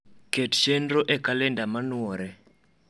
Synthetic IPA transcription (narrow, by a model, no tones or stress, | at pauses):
ketʃenrɔʔɛkalɛndamanwɔɾɛ